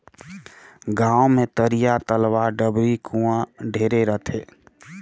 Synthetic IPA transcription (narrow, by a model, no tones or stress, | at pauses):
ɡãːomẽt̪əɾijat̪əlʋaɖəbɾikʰũãɖʱeːɾeɾət̪ʰeː